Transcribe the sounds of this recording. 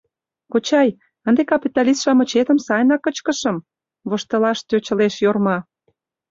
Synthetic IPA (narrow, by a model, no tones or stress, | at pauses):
kot͡ɕɑj | ənd̪ekɑpʲit̪ɑlist̪ʃɑmət͡ɕet̪əmsɑjnɑkːət͡ɕkəʃə̆m | βoʃt̪ə̆lɑʃt̪øt͡ɕə̆leʃjormɑ